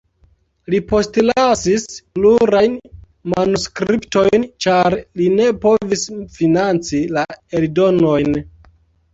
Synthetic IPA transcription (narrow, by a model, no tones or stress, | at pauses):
lipo̞stlasispluɾajn | manuskɾipto̞jnt͡ʃaɾline̞po̞visfinant͡silaeldo̞no̞jn